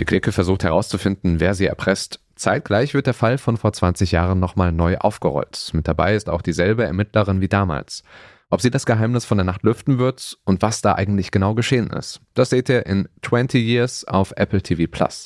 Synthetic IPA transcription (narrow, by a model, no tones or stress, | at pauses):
d̥iːklɪkəfɛɐzuːxthɛɐʁ̞aʊst͡sufɪndn̩veːɐziːɛɐpʁ̥ɛst | t͡saɪt̚ɡ̥laɪçv̥ɪɐtdeːɐfalfɔnfoːɐt͡sv̥ant͡sɪçjaːʁənːɔχmaːlnɔʏʔa̰ʊfɡ̥əʁɔ̰ltmɪt̚d̥aba̰ɪɪsta̰ʊxd̥iːzɛlbəɛɐmɪtʰləʁ̞ɪnviːdaːma̰ːls | ʔɔpz̥iːdasɡ̥əɦaɪmnɪsfɔndeɐnaχtlʏftn̩vɪɐtʔʊntv̥asd̥aːʔa̰ɪɡŋ̩tlɪçɡ̥ənaʊɡəʃeːənɪ̰std̥asz̥iːteːɐʔɪntʰw̥ɛntʰijiːɐsʔa̰ʊfʔɛpl̩tʰiːviːpʰl̥a̰s